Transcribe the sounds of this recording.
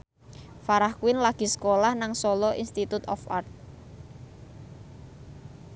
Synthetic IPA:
faɾahkuwɪnlaɡ̥i̤sə̥kolahnaŋsɔlɔʔinst̪it̪ut̪ɔ̰fa̰rt̪̚

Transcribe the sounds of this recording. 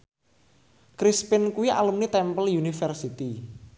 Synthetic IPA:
kɾispɪnkuwiʔa̰lumnit̪ɛmpəljunifərsit̪i

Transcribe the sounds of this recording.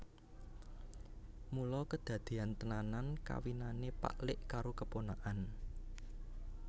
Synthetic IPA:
mulɔkəd̪̥ä̤d̪̥e̤ant̪ənananka̰winanepa̰ʔlɪʔkaɾokəponaʔan

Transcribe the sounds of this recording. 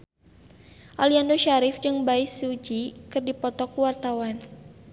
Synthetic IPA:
ʔaliandoʃaɾɪfd͡ʒɨŋbaisud͡ʒikɨrdipɔt̪ɔkuwart̪awan

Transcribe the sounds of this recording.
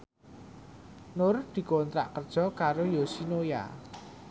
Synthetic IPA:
nʊrd̪̥i̤kont̪ɾa̰ʔkərd̥ʒ̥ɔ̤kaɾojosinoja̰

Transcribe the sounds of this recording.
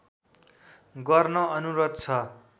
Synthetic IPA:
ɡʌrnʌʌnuɾʌt̪̚t͡sʰʌ

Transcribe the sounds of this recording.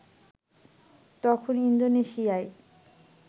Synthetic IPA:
t̪ɔkʰonind̪oneʃiae

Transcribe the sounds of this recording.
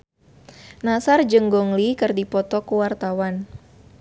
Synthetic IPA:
nasard͡ʒəŋɡɔŋlikɨrdipɔt̪ɔkuwart̪awan

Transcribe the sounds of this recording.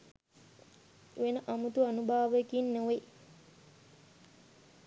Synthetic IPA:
ʋenəʔamut̪uanubʱaːʋekinːoʋe

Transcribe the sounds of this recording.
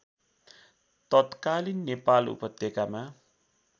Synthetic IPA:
t̪ʌt̪kalinːepalṵpʌt̪ːekama

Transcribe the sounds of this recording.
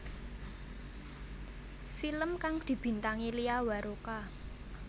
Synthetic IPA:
filəmkaŋd̪̥i̤b̥i̤nt̪aŋiliawaɾʔoka

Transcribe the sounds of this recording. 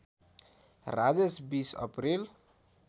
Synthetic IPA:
rad͡zesbisʌ̰pril

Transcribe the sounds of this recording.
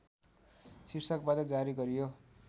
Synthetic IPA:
sirsʌkbat̪ʌd͡zaɾiɡʌɾijo

